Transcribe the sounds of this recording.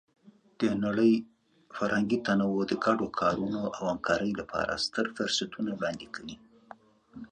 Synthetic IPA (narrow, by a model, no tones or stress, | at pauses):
d̪̥ənaɽəj | faɾhaŋɡit̪anawod̪əɡaɖokʰɑɾunoʔawamkʰɑɾəjlapʰɑ̰ɾa̰st̪əɾfʊɾsat̪ʰunawɽɑnd̪ikʰawi